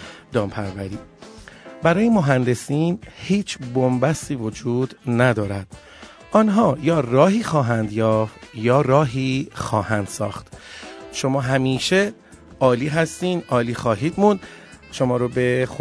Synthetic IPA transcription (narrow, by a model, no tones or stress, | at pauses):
d̪ɒːmpʰæɾvæɾiː | bæɾɒːjemoɦænd̪e̞siːnhiːt͡ʃʰbombæst̪iːvo̞d͡ʒuːd̪næd̪ɒːɾæd̪̥ | ʔɒnɦɒːjɒːrɒːɦiːxɒːɦænd̪jɒːft̪jɒːɾɒːɦiːxɒːhænd̪̥sɒ̰ːxt̪ʃo̞mɒːɦæmiːʃe | ʔɒːliːɦæst̪iːnd̪ʔɒːliːxɒːɦiːd̪mund̪ | ʃo̞mɒːɾobe̞x